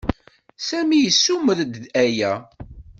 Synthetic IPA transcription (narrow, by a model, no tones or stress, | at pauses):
sæmijəsːuməðd̪æjæ